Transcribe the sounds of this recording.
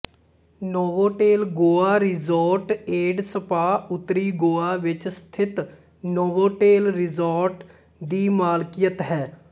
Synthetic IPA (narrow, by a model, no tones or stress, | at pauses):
nɔːʋõːʈeːlɡoːaːɾɪzoːɾʈeːɖsəpaːʊt̪ːɾiːɡoːaːʋɪt͡ʃst̪ʰɪt̪ | nɔːʋõːʈeːlɾɪzoːɾʈ | d̪iːmaːlkijət̪ɦɛː